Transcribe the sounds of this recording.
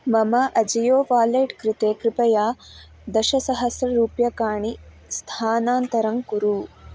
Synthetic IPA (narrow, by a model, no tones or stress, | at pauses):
mɐmɐʔɐd͡ʒɐjoːʋaːleːʈkɾɪt̪eːkɾɪpɐjaː | d̪ɐʃɐsɐɦɐsjɐɾuːpjɐkaːɳi | st̪ʰaːnaːnt̪ɐɾɐŋkuɾuː